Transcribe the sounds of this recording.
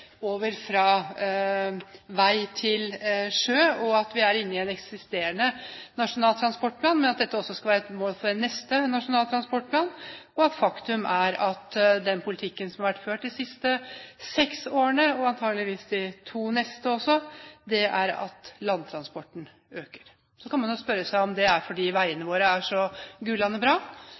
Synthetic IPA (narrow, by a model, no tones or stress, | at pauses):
oːʋəɾfɾɑː | ʋæɪt̪ʰɪlʂøːɔɑt̪ʋɪæɾɪnːəɪɛnɛksɪst̪eːɾəɳənɑʂʊnɑːlt̪ʰɾɑnspɔʈːpʰlɑːnmɛnɑt̪̚d̪ɛt̪ːəɔsːɔskɑʋæːɾɛt̪moːlfɔɖnːɛst̪ənɑʂʊnɑːlt̪ɾɑnspɔʈ̚ːpʰlɑːnɔɑt̪fɑkt̪ʉmæɾɑt̪d̪ɛnpʰʊlɪt̪ʰɪkːənsɔmhɑɾʋæʈːføːʈ̚d̪ɪsɪst̪əsɛksoːɾəɳəɔɑnt̪ʰɑːɡəlɪʋiːsd̪ɪt̪ʰuːnɛst̪əɔsːɔd̪ɛʔæɾɑ̰t̪lɑnːt̪ʰɾɑnspɔʈːɳ̩ | øːkə̥ɾ | sɔkʰɑnmɑnospœɾːəsæɪɔmd̪ɛæɾfɔɖiːʋæɪənəʋoːɾəæʂɔɡʉːlɑnəbɾɑː